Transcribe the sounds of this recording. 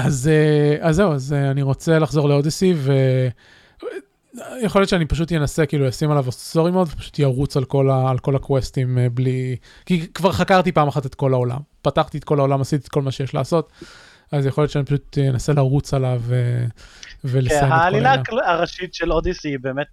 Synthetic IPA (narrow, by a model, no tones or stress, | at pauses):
azeazːeuazeaniʁo̞t͡selaχzo̞ʁleodisive | jeχoljot̪t͡ʃeanipaʃ̬ut̪jenase̞kiːlujasimalavossoʁimeod̪vepḁʃu̥t̪jaʁut͡salko̞laːlko̞lakwestimbli | kikvaʁχakaʁt̪ipaːmaχate̞t̪ko̞laola̰mpataχt̪iet̪̚ko̞lao̞lamasit̪i̥t̪ko̞lmaʃejeʃla̰ːso̞t̪ | azjeχoljott͡ʃʃeanipḁʃut̪jenaselaʁut͡salave | velesaaːlilaaʁaʃitʃelodisibeːmet̪̚